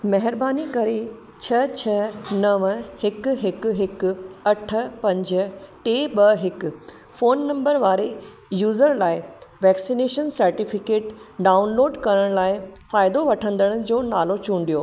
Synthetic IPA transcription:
mɐɦɪɾbaːnikɐɾe | t͡ɕʰɐt͡ɕʰɐnɐʋhɪkʊɦɪkɦɪkʊɐʈʰə̆pɐ̃ɲd͡ʑ̆ʈeːɓɐɦɪkʊ | foːnːɐ̃mbəɾʋaːɾe | juːzəɾlaːɪʋɛːksineːʃənsɐɾʈifɪkeːʈɖaːʊnloːɖkɐɾəɽ̃laːɪfaːɪd̪oʋɐʈʰə̃nd̪əɽ̃ʊ̆d͡ʑoːnaːlot͡ɕũːɳɖ̪ijoː

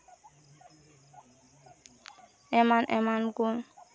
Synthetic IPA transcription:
ɛmanʔɛ̰manɡun

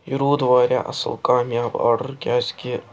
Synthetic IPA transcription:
jʊɾuːd̪ʋaːɾʲja̰ːʔɐ̰sə̰lkaːmjaːba̰ːɾɖəɾkʲaːd͡ʒkʲeː

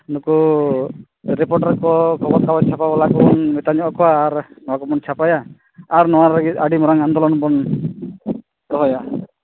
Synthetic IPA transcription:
nuku | ɾɛpɔɾʈaɾkɔkʰɔbɔt̪̚kabat͡ʃʰapabalakɔɔnmɛt̪aɲɔɔkʰɔwaːɾnɔwakɔmɔnt͡ʃʰapajaː | ɾnɔwaɾaɡit̪aɽimɔɾaŋand̪ɔlɔnbɔn | tɔɦɔja

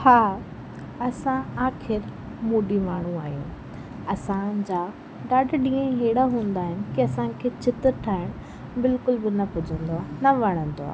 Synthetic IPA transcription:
haː | ɐsãaːxʰɪɾ | muːɖimaːɳ̤ũaːɦijṵ̃ː | ɐsãd͡ʑaː | ɗaːɖɗĩːə̃ɦeːɪɽaɦũːn̆d̪aːɦɪnɪ̆kiɐsãkʰeːt͡ɕʰɪt̪ɾʈʰaːɪɽ̃ | bɪlkʊlbɪnɐpʊd͡ʑʱə̃nd̪oaːnɐʋɐɽ̃ə̃nd̪oa̰ːɦ

